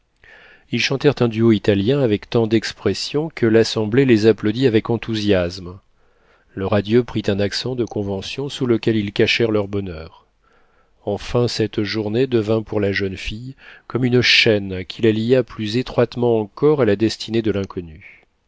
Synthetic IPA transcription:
ilʃɑ̃t̪ɛʁt̪ɛ̃d̪yoit̪aljɛ̃avɛkt̪ɑ̃d̪ɛkspχɛsjɔ̃kəlasɑ̃blelezaplod̪iavɛkɑ̃t̪uzjasm | ləʁad̪jøpχit̪ɛ̃naksɑ̃d̪əkɔ̃vɑ̃sjɔ̃suləkʲɛlilkaʃɛʁlœʁbɔnœːʁ | ɑ̃fɛ̃sɛt̪ʒuʁned̪əvɛ̃puʁlaʒənfijkɔmynʃɛnkʲʰilalijaplyzet̪χwat̪mɑ̃ɑ̃kɔʁalad̪ɛst̪ʰined̪əlɛ̃kʰɔny

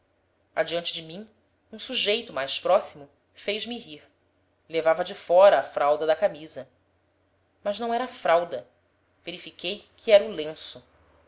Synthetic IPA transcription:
ad͡ʒiɐ̃nt͡ʃɪd͡ʒɪmĩŋ | ũsuʒejt̪ʊmajspɾɔsimʊ | fejzmiɦiɾ | levavɐd͡ʒɪfɔɾɐːfɾawd̪ɐd̪ɐkamizɐ | mɐʒnɐ̃w̃ɛɾɐaːfɾawd̪ɐ | veɾifikejkʰɪɛɾulẽsʊ

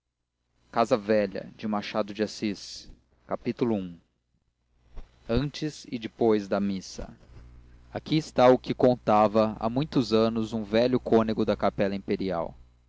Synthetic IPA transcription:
kazɐvɛʎɐ̰d͡ʒɪ̃maʃad̪ʊd͡ʒasis | kapit̪ulʊũ | ɐ̃nt͡ʃɪzɪd͡ʒɪpojzd̪ɐmisɐ̰ | akiɪst̪aʊkɪkõnt̪avɐa̰mũj̃t̪ʊzɐ̃nʊzũvɛʎʊkõnɪɡʊd̪ɐkapɛlɐĩpeɾia̰w

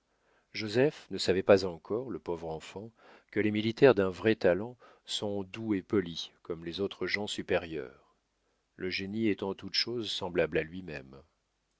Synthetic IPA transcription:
ʒozɛfnəsavɛpazɑ̃kʰɔʁləpovʁɑ̃fɑ̃ | kəlemilit̪ɛʁd̪ɛ̃vʁɛt̪alɑ̃ | sɔ̃d̪uepɔlikɔmlezot̪χəʒɑ̃sypeʁjœ̰ːʁ | ləʒeniɛt̪ɑ̃t̪ut̪ʃozsɑ̃blablalɥimɛm

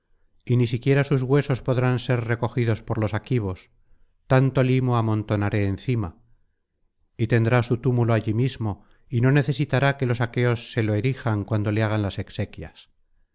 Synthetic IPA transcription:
inisikje̞ɾasuzɣwe̞so̞spo̞ðɾanse̞ɾre̞ko̞xiðo̞spo̞ɾlo̞sakiβ̞o̞s | t̪ant̪o̞limo̞amõ̞nt̪o̞naɾe̞ːnθima | it̪e̞nd̪ɾasut̪umuloaʎimizmo̞ | ino̞ne̞θe̞sit̪aɾake̞lo̞sake̞o̞sːe̞lo̞e̞ɾixaŋkwand̪o̞leaɣ̞anlase̞kse̞kjas

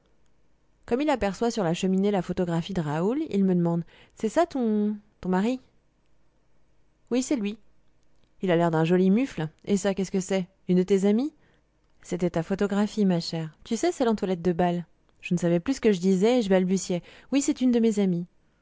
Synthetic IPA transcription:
kɔmilapɛʁswasyʁlaʃəminelafot̪ɔɡʁafid̪əʁaulḭlməd̪əmɑ̃d̪ | sɛsat̪ɔ̃t̪ɔ̃maʁi | wisɛlɥi | ilalɛʁd̪ɛ̃ʒɔlimyflesakʲɛsə̥kəsɛ | ynd̪ət̪ezami | set̪ɛt̪afot̪ɔɡʁafimaʃɛːʁt̪ysɛsɛlɑ̃t̪walɛt̪̚d̪əbal | ʒ̥ənəsavɛplysə̥kəʒəd̪izɛːʒəbalbysjɛwisɛt̪ynd̪əmezami

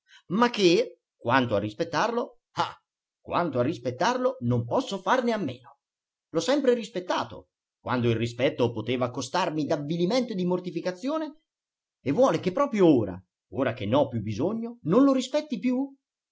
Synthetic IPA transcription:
makːe | kwant̪oarːispet̪ːarlo | a | kwa̰nt̪oarːispet̪ːarlonompɔsːofarneamːḛːno | lɔsːɛmpɾeɾispet̪ːaːt̪o̰ | kwa̰nd̪oilːispɛt̪ːopot̪eːvakost̪armid̪avːiliment̪od̪imort̪ifikat̪sːjoːne | evːwɔːlekepːɾɔːpɾjooːɾa̰ | oːɾak̟enːɔpːjubːizoɲːononloɾispɛt̪ːipju

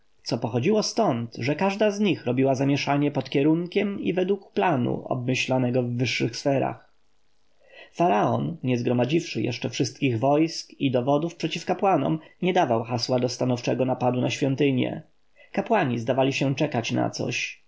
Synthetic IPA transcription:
t̪sɔpɔxɔd͡ʑiwɔst̪ɔnt̪ʐɛkaʐd̪azɲixɾɔbʲiwazamʲjɛʂaɲɛpɔt̪kʲjɛɾuŋkʲɛmḭvɛd̪wukplanṵʔɔ̰b̚mɘɕlanɛɡɔvːɘʂːɘxsfɛɾa̰x | faɾaɔnɲɛzɡɾɔmad͡ʑifʂɘjɛ̰ʂt͡ʂɛfʂɘst̪̚kʲiɣvɔjskid̪ɔvɔd̪ufpʂɛt͡ɕifkapwanɔ̰mɲɛd̪avawxaswad̪ɔst̪anɔft͡ʂɛɡɔnapad̪unaɕfʲjɔnt̪ɘɲjɛ̰ | kapwaɲizd̪avalʲiɕɛt͡ʂɛkat͡ɕna̰t̪sɔ̰ɕ

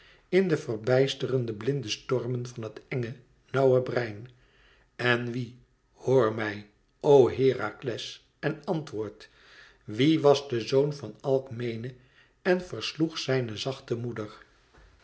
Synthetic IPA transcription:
ɪndəvərbɛjstərəndəblɪndəstɔrmənvɑnɦətɛŋə | nɑwəbrɛjn | ɛnʋi | hoːɹmɛj | owɦɪːra̰klɛs | ɛnɑntʋʊːɹt | ʋiʋɑzdəzownfɑnɛlˠkmejnə | ɛnfərsluχsɛjnəzɑχtəmudər

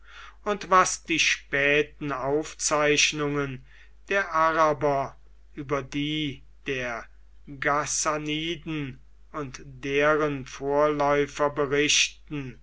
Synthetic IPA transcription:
ʊntvasd̥iːʃpɛːtn̩aʊft͡saɪʃnʊŋən | d̥eːɐʔaʁabɐ | ʔyːbɐdiː | d̥eːɐ | ɡasaniːdn̩ | ʊntd̥eːʁənfoːɐlɔʏfɐbəʁɪʃtn̩

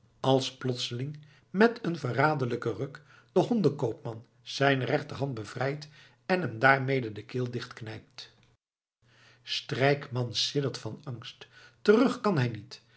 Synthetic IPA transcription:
ɑlˠsplɔtsəlɪŋ | mɛtənvəraːdələkərøk | d̥əɦɔndəkowpmɑn | z̥ɛjnərɛχtərɦɑnt̚bəv̥rɛjt | ɛnɦɛmdaːɹmejdədəkɪːlˠdɪχtknɛjp̚t | strɛjkmɑnsɪdəɹtfɑnɑŋsttərɵχkɑnɦɛjnit

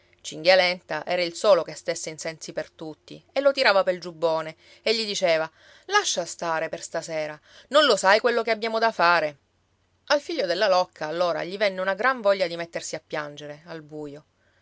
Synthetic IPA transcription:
t͡ʃiŋɡalɛnt̪aʔɛ̰ːɾailsoːlokest̪esːeinsɛnsipert̪ut̪ːḭelːot̪iɾaːvapeld͡ʒubːoːne | eʎːid̪it͡ʃeːva | laʃːast̪aːɾeperst̪asɛːɾa | nonlosajkwelːokeabjaːmod̪afaːɾe | alfiʎːod̪elːalɔkːaːlːoːɾa̰ʎivɛnːeunaɡɾaɱvɔʎːad̪imet̪ːersiapːjand͡ʒeɾealbuːjo

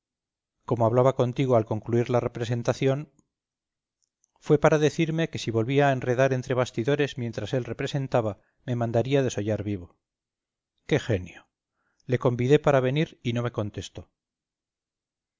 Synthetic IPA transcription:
ko̞moaβlaβako̞nt̪iɣ̞oalko̞ŋkluiɾlare̞pɾese̞nt̪aθjo̞n | fwe̞paɾaðe̞θiɾme̞ke̞siβo̞lβiaenre̞ðaɾe̞nt̪ɾe̞β̞ast̪iðoɾe̞zmje̞nt̪ɾase̞lre̞pɾe̞se̞nt̪aβa | me̞mãnd̪aɾiað̞e̞so̞ʝaɾβiβ̞o̞ | ke̞xe̞njo | le̞ko̞mbiðe̞paɾaβ̞e̞niɾino̞me̞ko̞nt̪e̞st̪o̞

